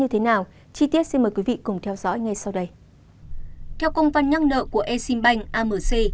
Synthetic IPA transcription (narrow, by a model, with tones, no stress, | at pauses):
ɲɨ˧t̪ʰe˨˦naː˨˩w | t͡ɕi˧t̪i˦˥ət̚si˧nmə˨˩jkwi˨˦vḭ˧˨kʊ˨˩ŋ͡mt̪ʰɛ˧wzɔ̰˧˥jŋa˧jsa˧wɗə˧j | t̪ʰɛ˧wkə˧wŋ͡mva˧nɲə˧˥ŋnə̰ː˧˨ku˧˩əʔe˧si˧mɓa˧jŋ̟ʔaː˧məː˨˩se˧